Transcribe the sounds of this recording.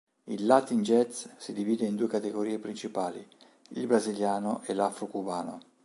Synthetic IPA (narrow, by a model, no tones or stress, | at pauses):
ḭlːat̪ːind͡ʒɛt̪ssid̪iviːd̪eind̪uːekat̪eɡoɾiːepɾint͡ʃipaːlḭ | ilbɾaziljaːnoʔɛlafɾokubaːno̰